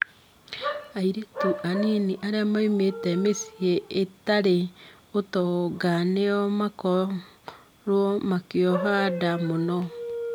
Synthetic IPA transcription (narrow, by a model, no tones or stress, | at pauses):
aiɾetuʔaniniʔaɾeamaimetɛmesieːtaɾe | otɔɡaneɔmakɔ | ɾwɔmakeɔɦadamonɔ